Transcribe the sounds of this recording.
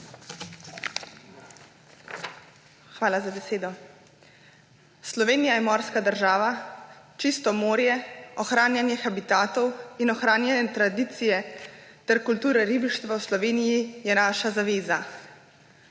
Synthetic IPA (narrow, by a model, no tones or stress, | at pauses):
xʋaːlazabɛseːd̪ɔ | slɔʋeːnijajɛmɔːɾskad̪əɾʒaːʋat͡ʃist̪ɔmoːɾjɛɔxɾaːnjanjɛxabit̪aːt̪ɔwinɔxɾaːnjanjɛt̪ɾad̪iːt̪sijɛt̪ɛɾkult̪uːɾɛɾibiʃt̪ʋawslɔʋeːnijijɛnaːʃazaʋeːza